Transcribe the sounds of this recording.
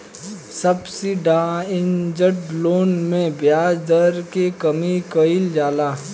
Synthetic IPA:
sɐbsiɖãːɪnd͡ʒəʈloːnmẽbjaːd͡ʒd̪əɾkekəmikəɪld͡ʒaːlaː

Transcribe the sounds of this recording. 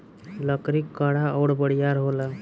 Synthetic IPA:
ləkɾikːəɽaəɽbəɽijaɾɦolə

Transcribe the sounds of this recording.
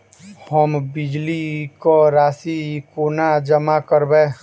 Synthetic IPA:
həmbɪd͡ʒlikoɾaːsikoːnad͡ʒəmakəɾbɛ̃ː

